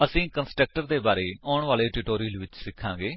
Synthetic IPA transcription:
əsĩːkənsʈɾək̚ʈəɾd̪eːbaːɾeːɔːɳʋaːleːʈɪʈoːɾiːəlʋɪt͡ʃsɪkʰːãːɡeː

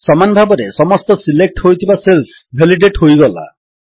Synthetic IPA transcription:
sɔmanɔbʱabɔɾesɔmɔst̪ɔsilek̚ʈhojt̪ʰibaselsbʱeliɖeʈhojɡɔla̰

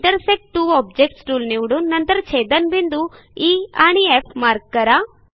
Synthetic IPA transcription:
ʈɐɾsek̚ʈʈuːɔːb̚d͡ʒek̚ʈsʈuːlniwɽunɐnt̪ɐɾt͡ʃʰeːd̪ɐnbind̪u | iːaːɳiepʰmaːɾkːɐɾa

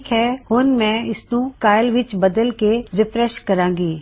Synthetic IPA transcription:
kɦɛːhoːnmɛ̃ːɪsnũkaːjəlʋɪt͡ʃbɐd̪əlkeɾɪpɾɛʃkɐɾãːŋ̆ɡiː

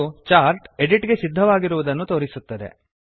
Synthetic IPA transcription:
ut͡ʃaːɾʈeɖiʈɡe̞sid̪ʱːɐʋaːɡiɾuʋud̪ɐnːut̪o̞ːɾisut̪ːɐd̪e̞̰

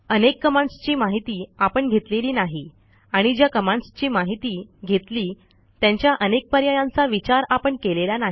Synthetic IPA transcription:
ənekːəmãɳst͡ɕiːmaɦit̪iːapəɳɡʱet̪leliːnaɦi | aɽ̃id͡ʑjakəmãɳst͡ɕiːmaɦit̪iːɡʱet̪liː | t̪jaɲt͡ɕjaʔənek̚pəɾjajãnt͡saʋit͡ɕaɾapəɳkelelanaɦ

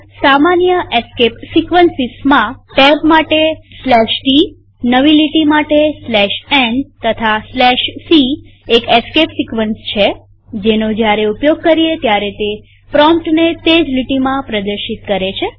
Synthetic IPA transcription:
samanjəʔeskepsikʋənsismãʈɛbmaʈeslɛʃʈi | nəʋiliʈimaʈeslɛʃɛnt̪ət̪ʰaslɛʃsiekeskepsikʋənst͡ʃʰe | d͡ʒenod͡ʒjaɾeupjoɡ̚kəɾiet̪jaɾet̪e | pɾɔmpʈnet̪ed͡ʒliʈimãpɾəd̪əɾʃit̪kəɾet͡ʃʰe

